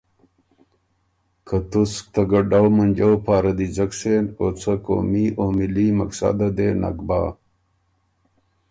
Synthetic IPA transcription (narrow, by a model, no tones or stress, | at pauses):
kɐt̪usk̚t̪ɐɡɐɖawmɐnd͡ʑɐwpaːɾɐd̪id͡ʑɐkʂenoːt͡sʰɐko̰ːmiʔomilimɐksa̰d̪ɐd̪eːna̰kba̰ː